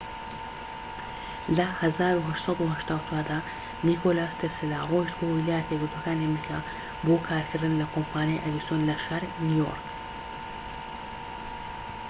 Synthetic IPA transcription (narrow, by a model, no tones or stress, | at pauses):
lɐhɐzaːɾuɦɐʃt̪sˤɑd̪uhɐʃt̪aːwt͡sʰwaːd̪aː | nikʰolaːst̪ʰesilaroːʒd̪boːwilaːjɛt̪ʰɐjɡɨɾt̪uɐkaːniɐmɾikʰa | bokʰaːɾkʰɨɾd̪ɨnlɐkʰompʰaːnjajʔɐd̪isjoːnlɐʃaɾnujo̰ɾk